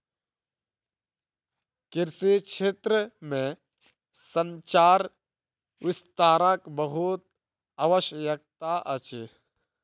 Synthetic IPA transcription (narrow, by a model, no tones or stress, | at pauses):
kɪɾsiʃʰeːt̪ɾəmẽ | sənt͡ʃaːɾ | ʋɪst̪aːɾãkbəɦut̪̚ | aʋəʃjəjək̚t̪aʔət͡ʃi